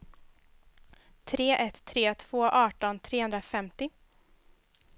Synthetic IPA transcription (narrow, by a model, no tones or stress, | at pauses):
t̪ʰɾeːʔɛt̪ʰːɾeːt̪ʰv̥oːʔɑːʈɔnt̪ʰɾeːhɵnd̪ɾafɛmt̪ɪ